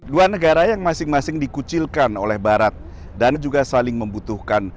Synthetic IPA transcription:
duanəɡaɾajaŋmasɪŋmasɪŋdikut͡ʃɪlkanolɛhbaɾat̪̚ | dand͡ʒuɡasalɪŋməmbut̪uhkan

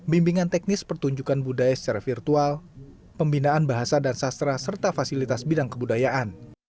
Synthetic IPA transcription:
bimbiŋant̪ɛk̚nɪspərt̪uɲd͡ʒukanbudajasə̥t͡ʃaɾafirt̪ual | pəmbinaanbaɦasadansast̪ɾasərt̪afasilit̪asbidaŋkəbudajaʔan

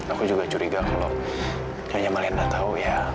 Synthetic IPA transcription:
akud͡ʒuɡat͡ʃuɾiɡakalo | t͡ʃaɲamalindat̪auja

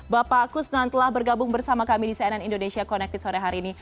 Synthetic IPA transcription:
bapaːkʊsnant̪əlahbərɡabʊŋbərsamakamidisaananindonesiakɔnɛk̚t̪ɪt̪̚soɾɛɦaɾiːni

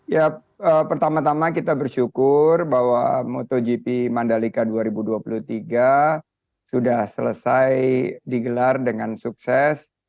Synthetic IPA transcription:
ja | əpərt̪amat̪amakit̪abərʃukʊrbawamot̪od͡ʒipimandalikaduaɾibuduapulut̪iɡa | sudahsələsajdiɡəlardəŋansuk̚sɛs

